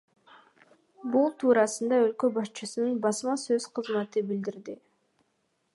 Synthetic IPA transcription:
bulˠt̪ʰuːɾɑsɯnd̪ɑø̞lkø̞bɑʃt͡ʃɯsɯnɯnbɑsmɑsøz̥qʰɯzmɑt̪ɯbild̪iɾd̪i

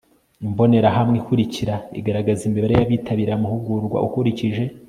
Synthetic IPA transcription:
imbo̞ne̞ɾaɦamŋikuɾiciɾaḭɡaɾaɡazimbeβaɾejaβiːtʰaβiɾamuhuɡuɾɡwa̰ʔukuɾiciʒe̞

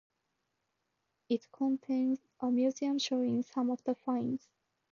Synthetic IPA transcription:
ɪtkʰɔ̃ntʰẽɪ̃nzʔəmjʉziə̃mʃoɪ̃ŋsʌ̃mɔvðəfãɪ̃nz̥

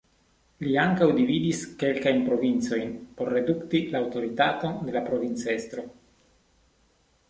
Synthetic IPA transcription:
liaŋkawdividiske̞lkajnpɾo̞vint͡so̞jnpo̞ɾːe̞duktilaːwto̞ɾitato̞nde̞lapɾo̞vint͡se̞st̪ɾo̞

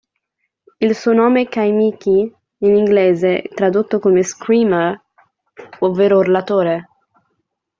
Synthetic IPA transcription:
ilsuːonoːmekajmiki | iniŋɡlɛːzet̪ɾad̪ot̪ːokomeskɾiːme | ovːeːɾoɾelat̪oːɾe

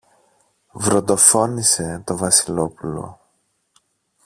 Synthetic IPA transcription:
vɾo̞t̪d̪o̞fo̞nise̞t̪o̞vɐsilo̞pulo̞̰

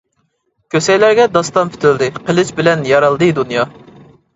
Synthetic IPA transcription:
kʲʰøsɛjlæɾɡʲɛd̪ɑst̪ɑmpʰy̥t̪ʰɪld̪ɪqəlˠɪt͡ʃbɪlɛnjɑɾɑlˠd̪ɨd̪unjɑ

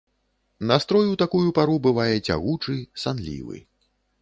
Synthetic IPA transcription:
nast̪ɾɔjuwt̪akujupaɾubɨvajɛt͡sʲa̰ɣut͡ʂɨsanlʲḭvɨ̰

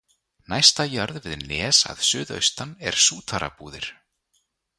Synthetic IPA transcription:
najst̪ajœɾðvɪðnɛːsa̰ðsʏːðœ̰ɥst̪anɛɾ̥suːt̪ʰaɾa̰puːðɪɾ̥

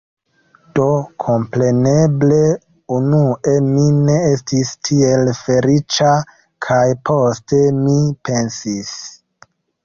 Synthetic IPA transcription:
d̥o̞kʰo̞mpɾe̞ne̞ble̞ | unuʔemine̞estistʰielfe̞ɾit͡ʃa | kʰajpʰo̞ste̞mipe̞nsis

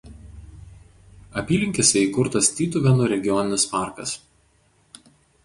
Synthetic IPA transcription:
ɐpʲiːlʲɪŋʲkʲɪsʲɛiɪkʊɾt̪ɐsʲt̪ʲiːt̪ʊʋʲɛnʊɾʲɛɡʲɪjɔnʲɪnʲɪspɑˑɾkɐs

